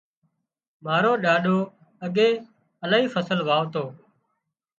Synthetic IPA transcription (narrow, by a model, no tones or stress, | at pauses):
maːɾoːɗaːɗoː | əɠeː | əlaːɦiːfəsəlʋaːʋt̪oː